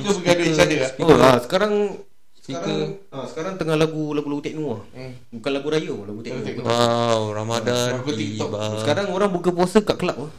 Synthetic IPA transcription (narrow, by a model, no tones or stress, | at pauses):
t̪ubəɡadəit͡ʃadəoasə̥kaɾaŋ | səiaəasə̥kaɾaŋt̪əŋahlaɡulaɡulaɡut̪ɛk̚nuah | bukanlaɡuɾajəlaɡut̪ɛnɛawɾamadapət̪ibaəkaɾaŋoɾaŋbukəp̬uasəkaʔkəlapah